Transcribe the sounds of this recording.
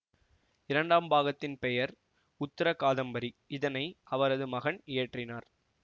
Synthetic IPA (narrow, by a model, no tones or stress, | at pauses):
ɪɾɐɳɖaːmbaːɣɐt̪ːɪnpɛjɐɾ | ʊt̪ːɪɾɐkaːðɐmbɐɾiɪðɐnɐɪʔɐʋɐɾɐðɯmɐɣɐɳɪjɐʈrɪnaːɾ